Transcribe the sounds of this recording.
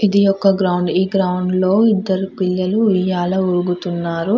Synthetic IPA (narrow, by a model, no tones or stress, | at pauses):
id̪ijɔkːɐɡɾɐwɳɖiːɡɾɐwɳɖlo̞ːid̪ːɐɾupilːɐluʋijaːlɐuɾuɡut̪unːaːɾu